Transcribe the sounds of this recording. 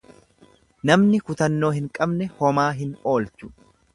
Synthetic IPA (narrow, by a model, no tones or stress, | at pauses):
nɐmnɪkʊt̪ɐnːo̞ːhɪŋkʼɐbnɛhɔmaːɦɪno̞ːlt͡ʃʊ̥